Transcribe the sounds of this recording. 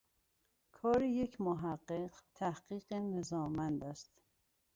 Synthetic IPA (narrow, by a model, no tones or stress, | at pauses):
kʰɒːɾejecʰmoɦæɢːeqt̪ʰæhɢ̥iːɢenezɒːmænd̪æst̪